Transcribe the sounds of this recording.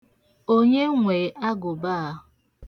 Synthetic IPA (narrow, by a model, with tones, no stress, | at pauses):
o˦ɲe˦ŋʷeː˨˦ʔa˦ɡʊ˨baː˦˨˦